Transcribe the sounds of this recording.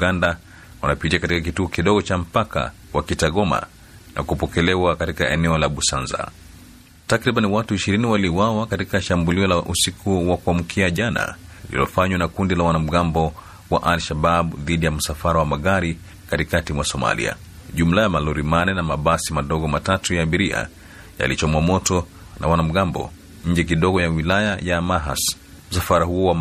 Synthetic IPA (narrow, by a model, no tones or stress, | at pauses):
uɡanda | wanapid͡ʒiakatikakituɔkiɗɔɡɔt͡ʃam̩paka̰ | wakitaɡɔma̰ | nʔa̰kupɔkɛlɛwakatikaɛnɛɔlaɓusanza̰ | takɾiɓaniwatuiʃiɾiniwaliwawakatikaʃambuliɔlaʔusikʰuwakuam̩kʰiaʄana̰ilḭlɔfaɲwanakundilawanam̩ɠambɔ | wa̰ʔalʃaɓaɓðiɗijam̩safaɾawamaɣaɾi | katikatimwasɔma̰lḭa̰ | ʄum̩lajamaluɾimanɛnamaɓasimaɗɔɡɔmatatujaːɓiɾia̰ | ja̰lit͡ʃamamɔtɔ | nawanam̩ɠambɔ̰ | ɲ̩d͡ʒɛk̬iɗɔɡɔjawilajajamaɦa̰s | m̩safaɾahuɔwa